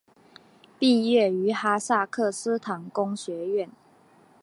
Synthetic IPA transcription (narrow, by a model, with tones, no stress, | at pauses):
pi˥˧ɥɛ˥˩y˧˥xa˥sa˥˧kʰɤ˥˩sɹ̩˥t̪ʰɑ˨˥ŋkʊ˥ŋɕɥɛ˨˥˦ɥɛ˥˨n